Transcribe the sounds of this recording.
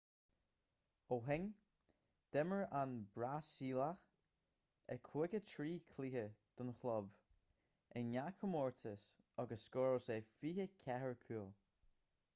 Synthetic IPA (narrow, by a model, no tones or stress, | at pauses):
oɦɛŋ | d̪̥ɛməɹanbɹasiːlax | əkʰwɪɡətʰɹiːkʰliːhəd̪̥ʊnxlɔb | ənakʰəmɔɹt̪ʰəs | ɔɡəsːkɔːɹosefiːhəkʰɛɦəɹkʰuːlˠ